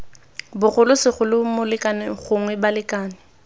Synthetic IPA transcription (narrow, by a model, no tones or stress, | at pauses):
bʊɣʊlʊsɪχʊlɪmʊlɪkʼanɪχʊŋwɛbalɪkʼaːnɪ